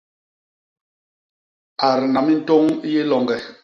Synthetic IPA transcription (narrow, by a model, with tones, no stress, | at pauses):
a˨ɾna˨mi˦n̩˦to˦ŋ˦je˦lɔ˨ŋɡɛ˨